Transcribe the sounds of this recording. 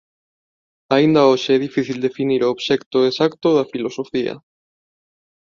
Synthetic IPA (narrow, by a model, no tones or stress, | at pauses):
aind̪aoʃeeðifiθild̪e̞finiɾoːβʃekt̪oesakt̪oðafilo̞sofia̰